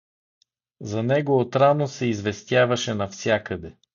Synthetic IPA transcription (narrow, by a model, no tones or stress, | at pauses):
zɐnɛɡoot̪ɾanosɛizvɛst̪ʲjavɐʃɛnɐfsʲjakəd̪ɛ